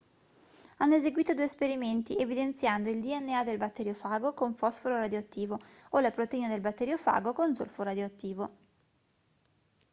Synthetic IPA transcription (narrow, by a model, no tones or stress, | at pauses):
anːoezeɡwiːt̪od̪uːespeɾiment̪ievid̪ent̪sjand̪oild̪iɛnːead̪elbat̪ːɛɾjofaːɡokoɱfɔsfoɾoɾad̪joat̪ːiːvo | olapɾot̪eiːned̪elbat̪ːɛɾjofa̰ːɡokond̪zo̰lfoɾad̪joat̪ːiːvo